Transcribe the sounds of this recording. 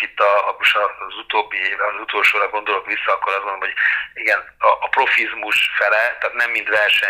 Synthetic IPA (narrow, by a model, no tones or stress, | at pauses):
it̪ːɒmoʃɒzut̪oːbːivɒzut̪oːlʃoːɾɒɡo̞nd̪o̞lo̞kʋisːɒɒkːoɾɒzɡonomɦojiɡɛn | ɒʔːpro̞fizmuʃfɛlɛt̪ɒt̪nɛmːint̪ʋɛrʃɛ